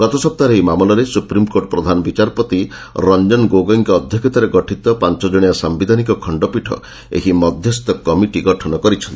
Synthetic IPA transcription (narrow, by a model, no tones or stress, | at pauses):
ɡ̥ɔt̪ɔsɔp̚t̪aɾeɦimamɔlɔɾesupɾimkoʈɔpɾɔd̪ʱanɔbit͡ʃaɾpɔt̪i | ɾɔnd͡ʒɔnɡoɡɔŋkɔːd̪ʱjɔkʰɔt̪aɾeɡɔʈʰit̪ɔpant͡ʃɔd͡ʒɔɽ̃ijasambid̪ʱanikɔkʰɔɳɖɔpiʈʰɔ̰ | ḛɦimɔd̪ʱjɔst̪ɔkɔmiʈiɡɔʈʰɔnɔkɔɾit͡ʃʰɔnt̪i